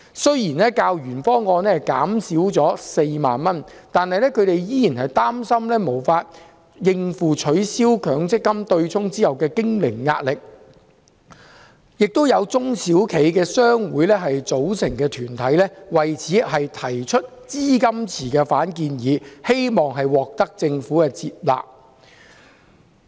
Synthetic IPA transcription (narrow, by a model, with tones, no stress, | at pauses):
sɵ˥ɥjiː˨˩nɛː˥kaː˧wjyː˨˩nfɔː˥ŋɔː˧nɛː˥ka̰ː˨˥msiː˨˥wt͡sɔː˨˥se˧jma̰ː˨nmɐ˥nt̪aː˨nhɐ˨jlɛː˥kʰɵ˨˧ɥt̪e˨jjiː˥jiː˨˩nhɐ˨jt̪aː˥msɐ˥mlɛː˥mo˨˩wfaː˧t̚ | jɪ˧ŋfuː˨t͡ʃʰɵ˨˧˥ɥsiː˥wkʰœː˨˥ŋt͡sɪ˥kːɐ˥mt̪ɵ˧ɥt͡sʰʊ˥ŋt͡siː˥jɐ˨wkɛː˧kɪ˥ŋlɪ˨˩ŋːa̰ː˧t̚lɪ˨k̚ | jɪ˨k̚t̪o˥wjɐ˨˧wt͡sʊ˥ŋsiː˨˥wkʰe˨˧jkɛː˧sœː˥ŋwuː˨˥jlɛː˥ɦɐ˨jt͡so˨˥wsɪ˨˩ŋkɛː˧t̪ʰyː˨˩nt̪ʰɐ˨˥jlɛː˥wɐ˨˩jt͡sʰiː˨˥ɦɐ˨jt̪ʰɐ˨˩jt͡ʃʰɵ˥t̚t͡siː˥kɐ˥mt͡sʰiː˨˩kɛː˧faː˨˥nkiː˧njiː˨˥he˥jmɔː˨˩ŋɦɐ˨jwɔː˨k̚t̪ɐ˥k̚t͡sɪ˧ŋfuː˨˥kɛː˧t͡siː˧˨p̚la̰ː˨p̚